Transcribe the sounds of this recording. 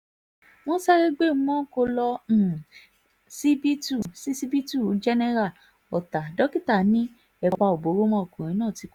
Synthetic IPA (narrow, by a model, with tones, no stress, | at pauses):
wɔ̃˦sɛ˦ɾe˦ɡ͡bẽ˦˨˦mɔ̃˦ko˧lɔ̃˧˨ | si˦bi˦tu˦˨si˦si˦bi˦tu˦˨d͡ʒɛ˦nɛ˦ɾa˦˨ | ɔ˨ta˨dɔ˦ki˦ta˦˨nĩ˦ | ɛ˧k͡pa˧o˨bo˨˦ɾo˦mɔ̃˦o˨kũ˨ɾ̃ĩ˨˦nãː˦˨ti˨˦k